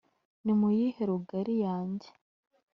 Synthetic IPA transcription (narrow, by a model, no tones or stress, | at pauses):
nimujiheɾuɡaɾijaːɲɟe̥